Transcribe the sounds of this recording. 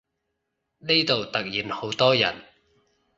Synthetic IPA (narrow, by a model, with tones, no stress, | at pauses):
ne˥t̪o˨wt̪ɐ˨k̚jiː˨˥nho˨˥wt̪ɔː˥jɐ̰˨˩n